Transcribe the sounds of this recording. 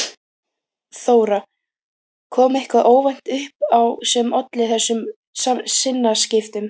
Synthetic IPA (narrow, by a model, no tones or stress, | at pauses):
θoːwɾa | kʰɔːmɪhkvaðʔoːwvajn̥t̪ʏhp̚awsɛmʔɔt̪lɪθɛsːʏm | sasɪnːascɪft̪ʏm